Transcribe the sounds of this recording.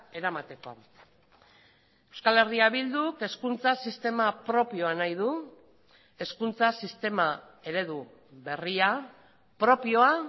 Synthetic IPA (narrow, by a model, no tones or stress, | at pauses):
e̞ɾamat̪e̞ko̞̰ | ewskale̞riaβild̪uke̞skunt͡sasist̪e̞mapɾo̞pio̞anajð̞u | e̞skunt͡sasist̪e̞ma | e̞ɾe̞ðu | βe̞ria | pɾo̞pio̞a